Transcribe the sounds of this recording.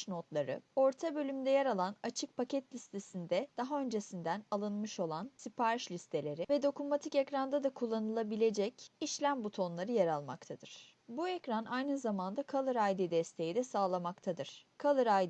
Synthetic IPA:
no̞t̪lˠaɾɯ̰o̞ɾt̪ʰabø̞lʲymd̪ɛjeɾalˠanat͡ʃʰɯk̚pʰacʰɛt̪lʲist̪ʰesind̪ɛd̪̥aɦaø̞nd͡ʒe̞sind̪ænalˠɯnmɯʃo̞lˠansipaɾɯʃlʲist̪ʰe̞lʲe̞ɾivɛd̪o̞kumat̪ʰicecɾand̪ad̪akʰulˠːanɯlˠabilʲe̞d͡ʒɛciʃlʲæmbut̪ʰo̞nlˠaɾɯjaɾalˠma̰kt̪ʰad̪ɯɾ̥ | buecɾanajnɯzamand̪akʰalˠɯɾajd̪id̪ɛst̪ʰe̞jid̪ɛsaːlˠamakt̪ʰad̪ɯɾ̥kʰalˠɯɾaj

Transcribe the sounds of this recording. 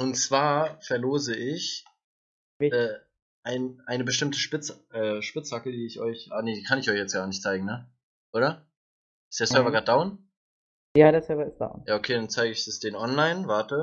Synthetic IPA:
ʔʊntt͡sv̥aːɐfɛɐloːzəʔɪç | ɛː | ʔaɪnʔaɪnəbəʃtɪmtəʃpɪt͡sʔɛːʃpɪt͡shaklədiːɪçɔʏçʔaneːdiːkʰanɪçɔʏçjɛt͡sɡ̥aːɐnɪçtt͡saɪɡŋ̩nə | ʔoːɾɐ | ʔɪstd̥eːsœɐvɐɡaːt̚d̥aʊn | jaːdeːɐsœɐvɐɪstd̥a̰ʊnjaːokʰeːdant͡saɪɡəɪçd̥ɪsd̥eːnʔɔnlaɪnvaɐtə

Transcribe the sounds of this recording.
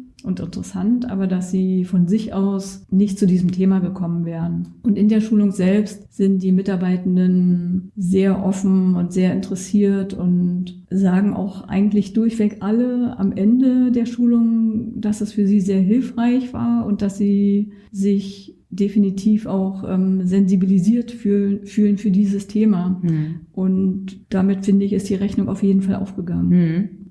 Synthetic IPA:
ʔʊntɪ̰ntəʁəsantʔa̰ːbɐdasz̥iːfɔnzɪçʔaʊsnɪçt̚t͡sudiːzəm̩tʰeːmaɡəkʰɔmənvɛːʁənʔʊntɪndeːɐʃuːlʊŋz̥ɛlpstz̥ɪnt̚d̥iːmɪtaɐbaɪtn̩dənzeːɐʔɔfn̩ʊntz̥eːɐɪntəʁəsiːɐtʊnt | zaːɡŋ̩ʔa̰ʊxʔa̰ɪɡŋ̩tlɪçd̥ʊɐçv̥ɛkʔaləa̰mʔɛndədeːɐʃuːlʊŋd̥asd̥asfyːɐziːzeːɐɦɪlfʁ̥aɪçv̥a̰ːɐʊnt̚d̥asz̥iː | zɪç | d̥efinitʰiːfaʊxʔɛ̰ːmzɛnzibiliziːɐtfyːfyːlənfyːɐdiːzəstʰeːmaʔʊntd̥amɪtfɪndəɪçɪstd̥iːʁɛçnʊŋa̰ʊfjeːdn̩falʔa̰ʊfɡ̥əɡaŋənn

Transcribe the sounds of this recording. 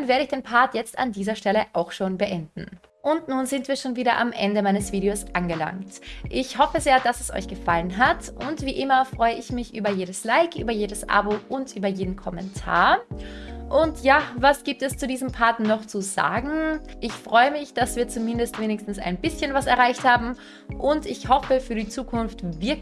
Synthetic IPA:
nveːɐɾəɪçd̥eːnpʰaɐtjɛt͡sta̰ndiːzɐʃtɛləʔaʊxʃoːnbəʔɛndn̩ | ʔʊntnuːnzɪntv̥iːɐʃoːnviːɾɐʔa̰mʔɛ̰ndəmaɪnəsv̥iːɾeoːsʔanɡəla̰ŋktʔɪçhɔfəzeːɐd̥asɛsʔɔ̰ʏçɡ̥əfalənɦatʔʊntv̥iːʔɪmɐfʁ̥ɔʏəɪçmɪçʔyːbɐjeːɾəslaɪkʔyːbɐjeːdəsʔa̰boʔʊntʔyːbɐjeːdn̩kʰɔmɛ̰ntʰa̰ːɐ | ʔʊntjaːvasɡ̥iːp̚tɛst͡sudiːzəmpʰaɐtnɔχt͡suza̰ːɡŋ̩ʔɪçfʁ̥ɔʏəmɪçd̥asv̥iːɐt͡sumɪndəstv̥eːnɪçstn̩sa̰ɪnbɪsçənvasɛɐʁaɪçthaːbm̩ | ʔʊntɪçhɔfəfyːɐɾiːt͡suːkʰʊnftvɪɐ

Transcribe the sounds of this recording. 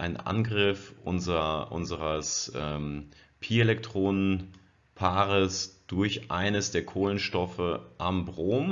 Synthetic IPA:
ʔaɪnʔa̰nɡʁɪfʔʊ̰nzʔʊ̰nzəʁəsʔɛːm | pʰiːɐelɛk̚tʁ̥oːnən | pʰaːʁəsd̥ʊɐçʔaɪnəsd̥eːɐkʰoːlənʃtɔfəʔambʁoːm

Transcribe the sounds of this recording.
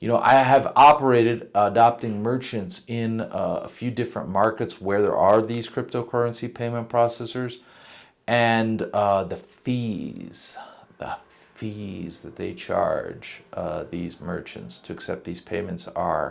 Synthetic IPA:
jɨñoʊʔa̰ɪɨvɑpə˞eɪɾɨɾədɑp̚tɪ̃ŋmɜ˞t͡ʃɨ̃ntsɪ̃nə̰fjʉdɪfɹə̰̃nmɑɹkɨtswə˞ðə̰˞ʔə˞ðiz̥kʰɹ̥ɪp̚toʊkʰɜ˞ə̃nsipʰẽɪ̃mə̃npʰɹ̥ɔsɛsə˞z | ʔɨ̃nðɨfiz̥ðə̰ | fizðɨt̪̚ðeɪt͡ʃʰɑ̰ɹd͡ʒðizmɜ̰˞t͡ʃɨ̰̃ntstʰɨɨksɛp̚t̪̚ðiz̥pʰẽɪ̃mɨ̃ntsə̰˞

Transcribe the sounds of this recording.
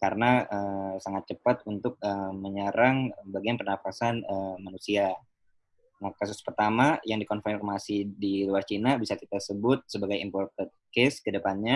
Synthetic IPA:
kaɾənaəsaŋat̪̚t͡ʃəpat̪̚unt̪ʊk̚əməɲaɾaŋbaɡianpənafasanəmanusia | nakasʊspərt̪amajaŋdikɔnfakmasidiluart͡ʃinabisakit̪asəbʊt̪̚səbaɡajimpɔrt̪ən̚keskədəpanɲa

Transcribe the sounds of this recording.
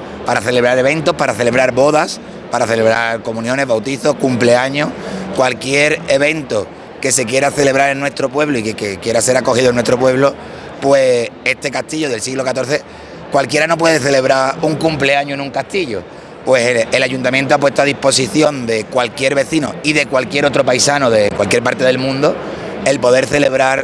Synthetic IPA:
paɾaθe̞leβɾaɾe̞βe̞nt̪ohpaɾaθe̞le̞β̞ɾaɾβo̞ðas | paɾaθe̞le̞βɾaɾko̞mũnjõ̞ne̞βawt̪iθohkumple̞aɲokwalkje̞ɾe̞βe̞nt̪o | ke̞se̞kje̞ɾaθe̞le̞βɾaɾenːwe̞st̪ɾo̞pwe̞βloikekekje̞ɾase̞ɾako̞hiðonwe̞t̪ɾo̞pwe̞β̞lo | pwe̞est̪e̞kaht̪iʎoðe̞lsiɣlo̞kat̪o̞ɾθe̞ | kwalkje̞ɾano̞p̬we̞ðeθe̞le̞β̞ɾauŋkumple̞aɲoenũŋkaht̪iʎo̰ | pwe̞seelaʝunt̪amjent̪̬oap̬we̞t̪oað̞ipo̞s̬iθjo̞nd̪e̞kwalkjeɾβe̞θino̰iðe̞kwalkje̞ɾo̞t̪ɾo̞pajsanoðe̞kwalkjepaɾt̪eðelmũnd̪o | e̞lpo̞ðe̞ɾθe̞le̞β̞ɾaɾ

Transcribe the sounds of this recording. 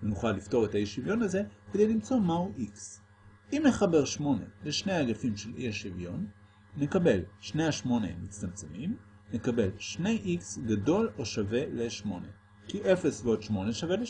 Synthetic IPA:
enuχalːifto̞ʁetajeʃivjo̞naze̞kede̞jlimt͡so̞mauʔiks | imne̞χabe̞ʁʃmo̞ne̞̰leʃne̞jaɡafimʃelḭʃivjo̞nː | e̞kabe̞lʃnejaʃmo̞nḛmit͡stamt͡semim | ne̞kabe̞lʃne̞jʔiksɡado̞lo̞ʃave̞leʃmo̞ne̞̰ | kiʔe̞fesveodʃmo̞neʃavele

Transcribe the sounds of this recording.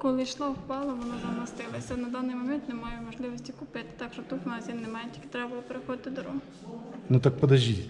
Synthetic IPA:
kɔlˠɪʃlˠɑwpɑlˠɐʋɔnɔzɐmːɐst̪ɪlˠɐsʲɐnɐd̪ɑnɪjmɔmɛnt̪nɛmɑjɛmɔʒlˠɪʋɔsʲtʲikʊpɪt̪ɪ̥t̪ɑkʃt͡ʃɔt̪ut̪ɔnɑsʲjʲinnemɑjɛtʲilkʲɪ̥t̪ɾɛbɐlˠɔpeɾexɔd̪ɪt̪ɪd̪ɔɾɔɦ | nut̪ɐk̚pɔd̪ɐʒʲi

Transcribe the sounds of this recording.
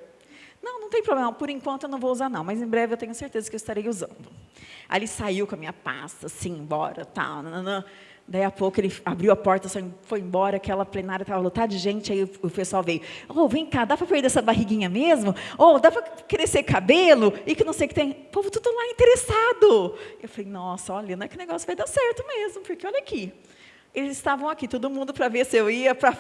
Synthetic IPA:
nɐ̃w̃nɐ̃w̃t̪ẽpɾoblẽmɐpʊɾẽkwɐ̃nt̪ʊewñw̃vowuzaɾnɐ̃w̃mɐzẽbɾɛvɪewt̪ẽɲʊseɾt̪ezɐkɪewɪst̪aɾejuzɐ̰̃nd̪ʊ | ʔa̰lisaiwkõɐmĩɲɐpa̰st̪ɐsĩẽbɔ̰ɾɐ̰t̪a̰w̪̃nɐ̃ | d̪aiapokʊelɪabɾiwɐpɔɾt̪ɐsaĩfojẽbɔɾɐakɛlɐplenaɾjɐt̪avɐlɐ̃t̪ad͡ʒɪʒẽnt͡ʃɪaiʊʊpesuawvejʊovẽj̃k̪ad̪apɾɐpeɾd͡ʒed̪ɛsɐbaɦiɡĩɲɐmezmʊod̪apɾɐkeɾesekabelʊɪkɪnɐ̃sejʊkɪ̥t̪ẽj̃povʊt̪ud̪ʊlaĩt̪eɾesad̪ʊewfalejnɔsɐɔʎɐnɐ̃w̃ɛkɪʊneɡɔsjʊvajd̪asɛɾt̪ʊmezmʊpʊɾkeɔʎɐki | elɪzɪst̪avɐ̃w̃akit̪od̪ʊmũnd̪ʊpɾɐveɾsɪewiɐpɾɐ

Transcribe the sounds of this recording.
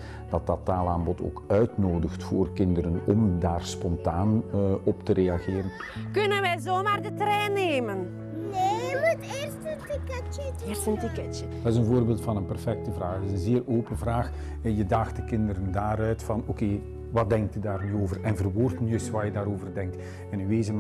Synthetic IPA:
d̥ɑtɑtːaːlaːmbɔtʰo̰ːkœɥtnoːdəxtfoːrkɪndəɾənɔmdaːrspɔntaːnɔptəɾeːɑɣeːɾən | kɵnənʋɛjzoːmaːrdətrɛːneːmən | neəmuteːrstətɪkɛ | əstəntɪkɛtjəd̥ɑtɪzənvoːrbeːlˠtfɑnənpɛrfɛk̚təvraːxdɪzənzeːroːpənvraːx | jədɑxt̚dəkɪndəɾəndaːɾœɥtfɑnokeː | ʋɑt̚dɛŋk̚tydaːrnyoːvərɛnvərʋoːrtənyɪsʋaːjədaːɾoːvərdɛŋkt | ɛnyʋeːzəm

